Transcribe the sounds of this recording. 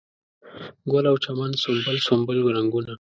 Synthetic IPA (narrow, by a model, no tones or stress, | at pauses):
ɡwalawt͡ʃamand̪sombəlsombəlɡɾaŋɡuna